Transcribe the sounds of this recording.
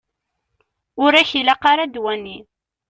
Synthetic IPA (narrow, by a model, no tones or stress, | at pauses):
ʊɾæçilaqɑɾad̪wænːi